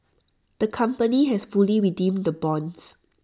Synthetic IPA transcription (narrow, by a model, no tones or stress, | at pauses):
d̥əkʰãmpəniɦɛsfuliɹidĩmdəbɔ̃ns